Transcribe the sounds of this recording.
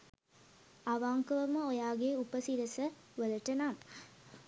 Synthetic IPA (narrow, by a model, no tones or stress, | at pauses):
aʋaːŋkɐʋɐməojaːɡeupəsiɾɐsə | ʋəlɐʈːɐnaːm